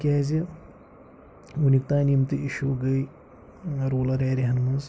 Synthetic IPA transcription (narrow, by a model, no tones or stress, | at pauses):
kʲaːzi | wunʲik̚t̪aːnimt̪ɨʔiʃuɡɐj | ɾuːlɐɾeːɾiɦɐnmɐnz